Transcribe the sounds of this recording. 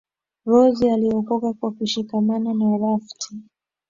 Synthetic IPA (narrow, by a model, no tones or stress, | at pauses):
ɾɔzialiɔkɔkakwakuʃikamananaɾaftʰi